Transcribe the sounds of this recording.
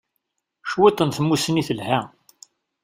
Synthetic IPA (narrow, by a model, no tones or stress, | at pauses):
ʃwit̪ˤːənθəmːusəniθəlhæ